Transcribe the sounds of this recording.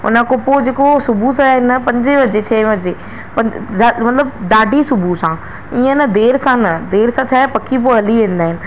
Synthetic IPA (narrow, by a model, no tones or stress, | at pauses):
ʊ̰nəkopod͡ʑeːkosʊbʱusãɦɪnɐpɐ̃ɲd͡ʑɪʋɐd͡ʑet͡ɕʰɛːʋɐd͡ʑe | pɐ̃ɲd͡ʑamɐt̪ləbɖ̪aːɖʱisʊbʱusã | iːə̃nəd̪eːɾsãnɐd̪eːɾsãt͡ɕʰaːepɐkʰip̬oɐliʋẽːn̆d̪aːɦɪnɪ̆